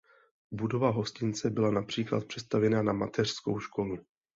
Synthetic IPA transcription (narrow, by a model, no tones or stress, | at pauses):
budo̞vaɦo̞scɪnt͡sɛbɪlanapr̝̥iːkla̰t̪̚pr̥ɛt̪st̪avjɛnanamat̪ʰɛr̥sko̞wʃko̞lu